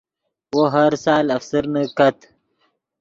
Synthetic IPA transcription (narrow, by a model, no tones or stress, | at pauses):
woɦaɾsɑːlɐfsəɾnəkat̪